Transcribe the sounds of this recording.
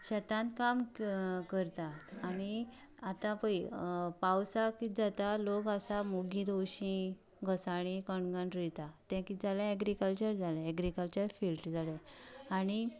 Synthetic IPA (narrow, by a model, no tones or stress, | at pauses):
ɕɛt̪ãnt̪kamkəɾt̪at̪añi | at̪ãpəipawsakid͡zat̪alokasamuɡĩd̪owɕĩ | ɡʱəsaɽ̃ikəɳɡaɳɾit̪at̪ɛ̃kid͡zalɛ̃ɛɡɾikəlt͡ɕəɾd͡zalɛ̃ːɡɾikəlt͡ɕəɾfilʈd͡zalɛ̃añi